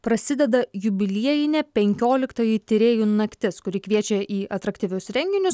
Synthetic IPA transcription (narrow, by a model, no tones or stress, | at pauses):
pɾɐsʲɪd̪ʲɛd̪ɐjʊbʲɪlʲiɛjɪnʲɛpʲɛŋʲkʲoːlʲɪkt̪ɐjɪt̪ʲɪɾʲeːjunɐkt̪ʲɪskʊɾʲɪkʋʲiɛt͡ʃʲɛʔiːʔɐt̪ɾɐkt̪ʲiʋʲʊsɾʲɛŋʲɡʲɪnʲʊs